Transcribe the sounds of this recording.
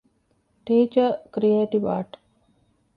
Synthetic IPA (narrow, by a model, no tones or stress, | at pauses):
ʈeːt͡ʃəkɾieːʈiʋa̰ːʈ